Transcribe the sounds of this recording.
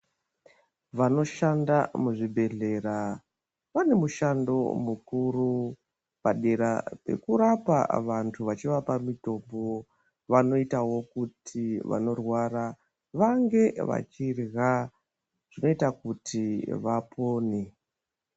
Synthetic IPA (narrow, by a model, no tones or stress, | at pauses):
ʋano̞ʃandamuʐibʱe̞ɮe̞ɾa | ʋane̞muʃando̞̰mukuɾu | paɗe̞ɾape̞̰kuɾapa̰ʋantʰuʋat͡ʃiʋapamito̞mbo̞ | ʋano̞itawo̞kutʰiʋa̰no̞rwaɾa | ʋaŋɡe̞ʋa̰t͡ʃirɣa | ʐ̥ino̞itakutʰiʋapʰo̞ːne